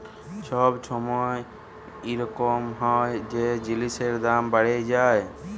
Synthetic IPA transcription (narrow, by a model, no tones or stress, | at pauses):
t͡ʃʰɔbt͡ʃʰɔmɔj | iɾɔkɔmɦɔjd͡ʒed͡ʒiliseɾd̪ambaɽed͡ʒaj